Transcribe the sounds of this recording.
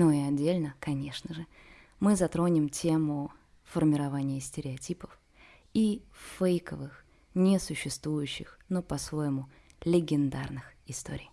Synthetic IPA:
nuɪɐdʲːelʲnəkɐnʲe̞ʂnəʐɨ | mɨzɐt̪ɾo̞nʲɪmtʲʰe̞mʊ | fərmʲɪɾɐvanʲɪjəsʲtʲɪɾʲɪɐtʲipəf | ifejkəvɨx | nʲɪsʊɕːɪst̪vujʉɕːɪxnopɐsvo̞jɪmʊ | lʲɪɡʲɪnd̪arnɨxɪst̪o̞̰ɾʲɪj

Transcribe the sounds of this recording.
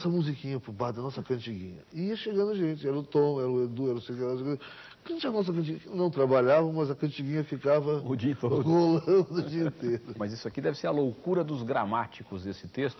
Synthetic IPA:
sɐmuzikĩɲɐpubad̪ɐnɔsɐkɐ̃t͡ʃiɡĩɲɐiiɐʃeɡɐ̃nd̪ʊʒẽnt͡ʃɪɛɾɐʊt̪õnɛɾɐʊed̪uɛɾɐ̃sejkɛlazk | kɐ̃t͡ʃiɐnɔs̬ɐkɐ̃t͡ʃinɐ̃w̃t̪ɾabaʎavɐmɐzɐkɐ̃nt͡ʃiɡĩɲɐfikavɐʊd͡ʒiɐĩt̪oɡolɐ̃d̪ʊd͡ʒiɐĩt̪eɾʊmɐzisʊakid̪ɛvɪseɾɐlowkuɾɐd̪ʊzɡɾamat͡ʃikʊzesɪt̪est̪ʊ

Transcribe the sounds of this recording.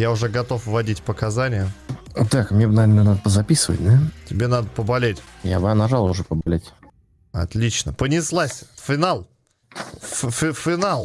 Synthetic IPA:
jaʊʐɛɡɐt̪o̞fvɐdʲitʲpəkɐzanʲɪjət̪akmnʲebnavʲeɾnənad̪əpəzɐpʲisɨvə̰t̚ʲd̪atʲɪbʲe̞nad̪əpəbɐlʲetʲjabnaʐalˠʊʐɛpəbɐlʲetʲ | ɐ̰t̪lʲit͡ɕnəpənʲɪslˠasʲfʲɪnalˠ | ffʲɪfʲɪnalˠ

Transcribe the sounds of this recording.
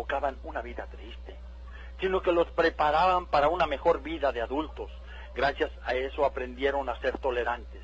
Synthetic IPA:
okaβanunaβiðat̪ɾist̪e̞ | sino̞ke̞lo̞spɾe̞paɾaβampaɾauname̞xo̞ɾbiðaðeaðult̪o̞s | ɡɾasjasae̞so̞apɾe̞nd̪je̞ɾo̞nase̞ɾt̪o̞le̞ɾant̪es

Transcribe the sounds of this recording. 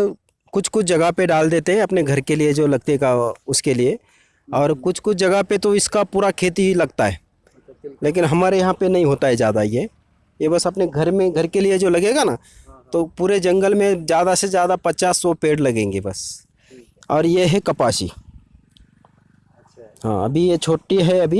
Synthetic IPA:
kʊt͡ʃʰkʊt͡ʃʰd͡ʒɐɡəɦpeɖaːld̪eːt̪eɦɛ̃ɐpneɡʱɐɾkelied͡ʒoːlɐɡt̪eɡaʊskelie | ɔːɾkʊt͡ʃʰkʊt͡ʃʰd͡ʒɐɡəɦpet̪oɪskapuːɾakʰeːt̪ilɐɡt̪aɦɛː | leːk̬ɪnɦɐmaːɾejɐɦãpenɐɦĩɦoːt̪aɦɛd͡ʒjaːd̪aje | jebɐsɐpneɡʱɐɾmẽɡʱɐɾkelied͡ʒoːlɐɡeːɡana | t̪opuːɾed͡ʒɐ̃ŋɡəlmẽzjaːd̪asezjaːd̪apɐt͡ʃaːsːɔpeːɽlɐɡẽːŋɡebɐs | ɔːɾjeɦɛkɐpaːʃḭ | ɦã̰ːɐ̰bʱijet͡ʃʰoːʈiɦɛɐbʱi

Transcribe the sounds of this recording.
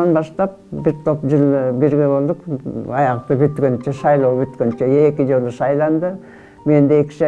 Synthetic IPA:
ɑnbɑʃt̪ɑp̚bɪɾt̪ʰo̞pʒɨlˠbeɾɡʲe̞βo̞lˠd̪əqɑjɑqt̪əbʏt̪kʲønt͡ʃeʃɑjlˠɑwbyt̪kʲønt͡ʃeekʲɪʒo̞lˠəʃɑjlˠɑnd̪ə | me̞nd̪eekʲɪ̥ʃɑ

